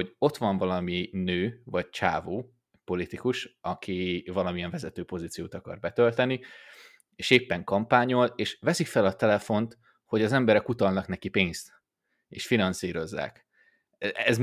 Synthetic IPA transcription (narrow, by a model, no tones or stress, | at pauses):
oɟo̞t̪ʋɒɱvɒlɒminøːvɒc̚t͡ʃa̰ːvoː | po̞lit̪ikuʃɒkʰivɒlɒmiɛɱvɛzɛt̪øːpo̞zit̪sijoːt̪ɒkɒ̰rbɛt̪ølt̪ɛni | eːʃeːpːɛŋkɒmpaːɲo̞leːʃʋɛsikfɛlɒt̪ɛlɛfo̞nt̪ | ho̞ɟɒzɛmbɛɾɛkut̪ɒlnɒknɛkipeːɲst̪ | eːʃfinɒnsiːɾo̞zːa̰ːk | ɛz